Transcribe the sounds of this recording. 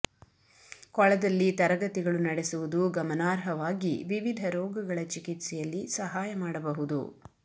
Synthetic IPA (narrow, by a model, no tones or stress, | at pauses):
kɔɭɐd̪ɐlːit̪ɐɾɐɡɐt̪iɡɐɭunɐɽɛsuʋud̪uɡɐmɐnaːɾɦɐʋaːɡiʋiʋid̪ʱɐɾɔːɡɐɡɐɭɐt͡ʃikit̪sɛjɐlːisɐɦaːjɐmaːɽɐbɐɦud̪ṵ